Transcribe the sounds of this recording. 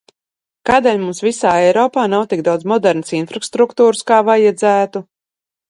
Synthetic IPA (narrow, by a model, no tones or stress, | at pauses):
kaːd̪ɛlʲmumsvisaːɛjɾɔːpaːnawt̪iɡ̚d̪awd̪zmɔd̪ɛɾnasinfɾast̪ɾukt̪uːɾskaːvajad̪zæːt̪u